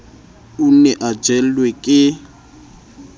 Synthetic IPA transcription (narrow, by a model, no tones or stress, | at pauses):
unɛʔad͡ʒɛlwɛkʼɪ